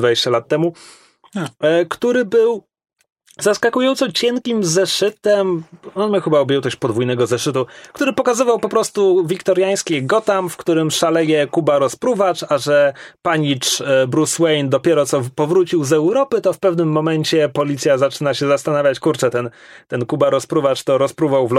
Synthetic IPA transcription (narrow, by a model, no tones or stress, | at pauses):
d̪vad͡ʑeɕt͡ɕalat̪ːɛmu | kt̪uɾɘbɘw | zaskakujɔnt̪sɔt͡ɕɛŋkʲimzɛʂɘt̪ɛmɔnmʲaxɘbaɔbʲjɛwt̪ɔɕt͡ɕpɔd̪vujnɛɡɔzɛʂɘt̪̬ukt̪uɾɘpɔkazɘvawpɔpɾɔst̪uvʲikt̪ɔɾjaj̃skʲɛɡɔt̪amfkt̪uɾɘmʂalɛjɛkubaɾɔspɾuvat͡ʂaʐɛpaɲit͡ʂbɾuswɛjnd̪ɔpʲjɛɾɔt̪sɔpɔvɾut͡ɕiwzɛwɾɔpɘt̪ɔfpɛvnɘmːɔmɛɲt͡ɕɛpɔlʲit̪sʲjazat͡ʂɘnaɕɛzast̪anavʲjat͡ɕkuɾt͡ʂɛt̪ɛn | t̪ɛnkubaɾɔspɾuvat͡ʂt̪ɔɾɔspɾuvawvl